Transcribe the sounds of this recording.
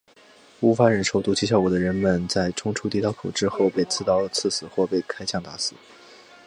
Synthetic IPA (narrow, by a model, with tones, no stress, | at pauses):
u˥fa˧˥ɻə˧˥nʂo˨˩ʊt̪u˧˥t͡ɕʰi˧˥ɕ̬jɑ˥˩ʊkɔ˨˩d̪ə˦ɻə˧˥nmə˨nt͡sa˥˩ɪʈ͡ʂʰʊ˥ŋʈ͡ʂʰu˥t̪i˥t̪ɑ˥ʊkʰo˨˩ʊʈ͡ʂɻ̩˥xo˥˧ʊpe˥˧ɪt͡sɹ̩˥˩t̪ɑ˥ʊlə˩t͡sʰɹ̩˥˩sɹ̩˨˩˦xwɔ˥˧pe˥˩ɪkʰa˥ɪt͡ɕʰjɑ˥˩ŋt̪a˧˥sɹ̩˨˩˦